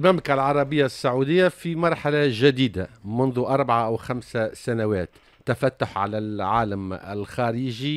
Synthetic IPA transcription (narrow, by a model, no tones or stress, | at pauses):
lmæmlɪkalʕɑɾˤɑbɪjːasːaʕud̪ɪjːafimɑɾˤħalaʒɪd̪iːd̪amʊnðuʔɑɾˤbaʕaʔawxamsasanawæːt̪ː | afæt̪ːʊħʕa̰lælʕaːlamɪ̰lxaːɾiːʒi